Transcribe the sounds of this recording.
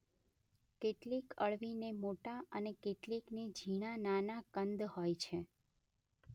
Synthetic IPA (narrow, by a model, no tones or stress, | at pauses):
keʈlikəɭʋinemoʈaənekeʈlikned͡ʒʱiɽ̃ananakənd̪hojt͡ʃʰe